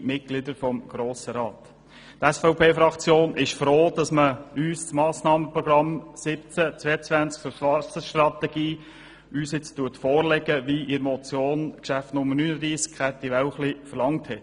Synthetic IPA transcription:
mɪt̚ɡ̥lɪdəɾfɔmɡ̥ɾoːsəɾɑːt̪ | tɛsfaʊpʰeːfɾɑkt͡sjoːnʔɪʃfɾoːd̥ɑsməyːst͡smɑːsnɑːməpɾɔɡ̥ɾɑmsɪpt͡sət͡sʋɛət͡sʋænt͡sk̚ʊʃʋɑt͡səʃtrɑt̪ɛɡ̥iː | yːsɪt͡stuətfoːrlɛɡəʋiʔɪɾmɔt͡sjoːnkʃæftnʊmːənyːnədɾiːskʰχɛtiʋɛwχlifəɾlɑŋthɛt

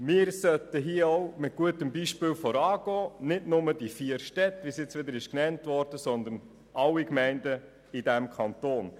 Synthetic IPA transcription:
mɪːɾsœtəɦiəɔʊmɪt̚ɡ̥uətəmbiːʃpɪːlfɔɾɑːɡ̥ɔːnɪdnʊmədifiəɾʃtɛtːʋisjɪt͡sʋɪd̪əɾɪʃknɛntʋɔɾd̥əsɔnd̪ən | ʔɑlːikmɛɪndə | idæmkʰɑntoːn

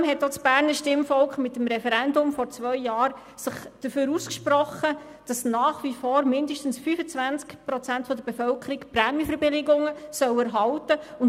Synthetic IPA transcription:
mɦɛt̚ːot͡sb̥æːɾnəɾʃtɪmfɔlkχmɪtːəmɾɛfɛɾɛndʊmfɔɾt͡svœʏjɑːɾ | sɪχd̥əføːɾuːskʃpɾɔχːə | d̥ɑsnɑːχʋifɔːɾmɪndəʃtən̩sfyfət͡sʋænt͡skpɾɔt͡sæntfɔdəɾb̥efœlkʰəɾikpɾɛmjəfəɾbɪlɪɡʊŋəsœwɛɾɦɑltəʊn

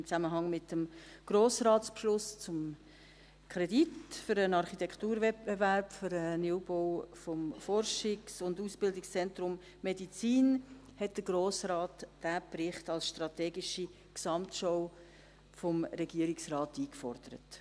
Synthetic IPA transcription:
ɪmt͡sæməɦɑŋmɪtəmɡ̥ɾoːsɾɑːtspʃlʊst͡sʊm | kʰɾɛditfʏɾənɑɾχitɛkχtuːɾvɛbevæɾpføɾəniwboʊfɔmfɔɾʃɪksʊnduːsb̥ɪldɪkst͡sɛntɾʊmː | edit͡siːn | hɛt̚d̥əɡɾoːsɾɑːtd̥æprɪχtɑlsʃtɾɑtɛːɡiʃi | ksɑmtʃow | fɔmɾɛɡiəɾiksrɑːtiːkfɔ̰ɾd̪̥əɾə̰t

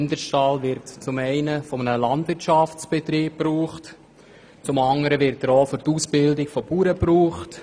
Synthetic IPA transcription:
ndəʃtɑːlʋɪɾtt͡sʊmɛɪnəfɔmənəlɑndʋɪrt͡ʃʃɑft͡sb̥et̪ɾiːp̚pːruːχt | t͡sʊmɑŋdəɾəʋɪɾtəɾoːfʏɾtuːsbɪldɪkfɔpuːɾəpruːχt

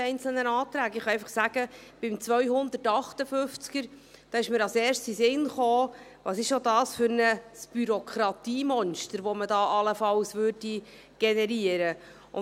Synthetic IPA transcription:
ɛɪnt͡sl̩nənɑːt̪ɾæːɡɪχɑɛɪfɑχsæɡ̥əb̥ɪmt͡svœɥhʊnd̪ətɑχtəfʏft͡skəɾ | d̥ɑːɪʃməɾɑsɛːrstisɪnχoː | vɑsɪʃodɑːsfʏɾnəsb̥yɾɔkʰχɾɑt̪iːmɔnʃtəɾʋɔmədɑːʔɑləfɑlsʋʉːɾdi | ɡ̥ɛnɛɾiəɾə | ʊ

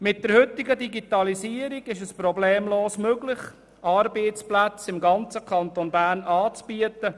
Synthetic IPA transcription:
mɪt̚d̥əɾhʏt̪ːɪɡədiɡit̪ɑlisiəɾiɡɪʃəspɾɔbleːmloːsmøɡlɪχ | ʔɑːɾbeːtt͡splæt͡sɪmɡɑnt͡səkʰɑnt̪onbæːɾnɑːt͡sb̥iət̪ə

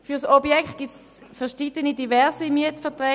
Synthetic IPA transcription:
fyɐsobjɛkχt̚ɡ̥its | fɛɐʁʃidənidivɛʁsimyətfɛɐtʁɛː

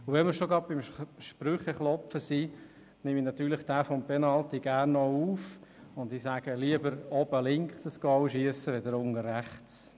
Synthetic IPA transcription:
ʊʋɛmɪɾʃoɡɾɑd̚b̥ɪmʃpɾʏχɛχlɔpfəsi | nɪminɑt̪yːɾləχd̥æːfɔmpenɑlt̪iɡ̥æːrnːɔuːfʊnd̪isæɡ̥əliəbəɾɔbəlɪŋksəsɡ̥ɔwʃiəsəʋed̪əɾʊŋəɾræχts

